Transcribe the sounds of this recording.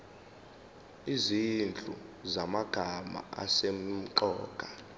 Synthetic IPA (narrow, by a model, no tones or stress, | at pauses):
izind͡ɮʼṵzamaɡ̥ʱama̰a̰sem̩ǃɔːɡ̥ʱa